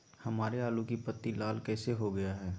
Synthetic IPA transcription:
hɐmaːɾeaːlũkipət̪ːilaːlkɛːseɦoɡɐjaɦɛː

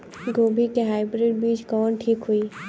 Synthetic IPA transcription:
ɡoːbʱikeɦaːɪbɾeːɖ̚biːt͡ʃkɔːnʈʰiːkɦʊiː

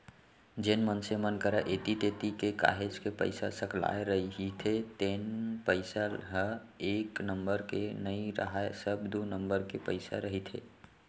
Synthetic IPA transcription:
d͡ʒenmənsemənkəɾaʔet̪it̪et̪ikeka̰ːɦed͡ʒkepə̰ɪsa̰səkla̰eɾəɦɦit̪ʰet̪enpəɪsaɦəeːknəmbəɾkenəĩɾə̰ɦaesəbd̪unəmbəɾkepəɪsa̰ɾəɦit̪ʰḛ

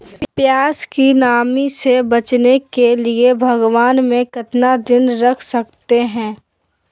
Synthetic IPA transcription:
pjaːskinaːmisebɐt͡ʃnekeliebʱɐɡʋaːnmẽkɐt̪nad̪ɪnɾɐkʰsɐkt̪eɦɛ̃ː

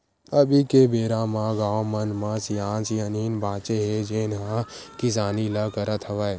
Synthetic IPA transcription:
əbikebeːɾãmãɡaːwmənmãsjãːnsijəniːnbʱãːt͡ʃeɦed͡ʒeːnɦãkɪs̬aːnilakəɾət̪ʰəʋəe

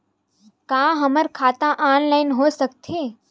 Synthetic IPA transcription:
kãːɦəməɾkʰaːt̪ãʔaːnlaːɪnɦoːsək̚t̪ʰeː

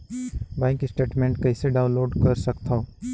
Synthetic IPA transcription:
bãːŋkisʈeːʈmẽːɳʈkɐɪseɖaːʊ̃nloːɖkɐɾsɐkt̪ʰao

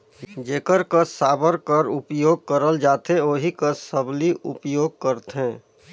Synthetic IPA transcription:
d͡ʒeːkəɾkəsːaːbəɾkəɾʊpjoːɡ̚kəɾəld͡ʒaːt̪eoːɦikəsːəbliʔʊ̰pjoːɡ̚kəɾt̪ɦɛ̃ː

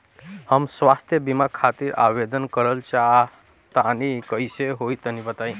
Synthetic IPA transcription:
həmsʋast̪ʰjəbimakʰat̪iːɾʔa̰ʋed̪ənkəɾəlt͡ɕa | t̪anikəjseɦoit̪ənibət̪aĩ

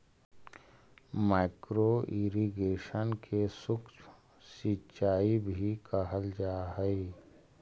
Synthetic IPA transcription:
maːɪkɾoiɾiɡeːʃənkʰesʊk | sitːt͡ʃaːibʱikəɦəld͡ʒaːɦɛi

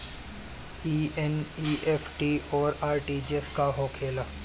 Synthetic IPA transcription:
iːɛniːefʰʈiɔːɾaːɾʈiːd͡ʒeskaɦoːkʰeːla

